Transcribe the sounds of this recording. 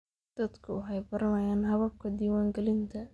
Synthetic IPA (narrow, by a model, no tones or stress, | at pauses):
d̪̥ɐd̪kʰʊʊɦɛjbɐɾɐmɐjaːnɦɐβɐb̚kʰɐd̪iːwaːŋɡɛlɪnt̪ʰɐ